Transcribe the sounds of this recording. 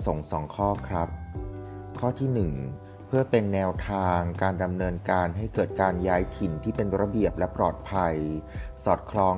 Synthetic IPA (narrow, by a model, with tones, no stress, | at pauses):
so˨˩˦ŋsɔː˩˦ŋkʰɔː˥˩kʰɾa˦˥p̚ | kʰɔː˥˩t̪ʰiː˥˩nɯ˨˩ŋ | pʰɯ˥˩ɐpe˧nːɛː˧wt̪ʰaː˧ŋkaː˧nda˧mnɤː˧nkaː˧nɦa˥˩jkɤː˨˩t̪̚kaː˧njaː˦˥jt̪ʰi˨˩˦nt̪ʰiː˥˩pe˧nɾa˧bi˨˩əp̚lɛ˦˥pɾɔː˨˩t̪̚pʰa˧jsɔː˨˩t̪̚kʰɾɔː˦˥